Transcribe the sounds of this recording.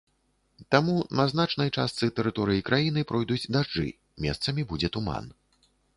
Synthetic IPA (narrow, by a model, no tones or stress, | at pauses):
t̪amunɐznat͡ʂnɐjt͡ʂa̰st̪sɨt̪ɛɾɨt̪ɔɾɨjikɾajinɨpɾɔjd̪ud͡zʲd̪aʐd͡ʐɨ̰ | mʲɛ̰st̪sɐmʲibud͡zʲɛt̪uma̰n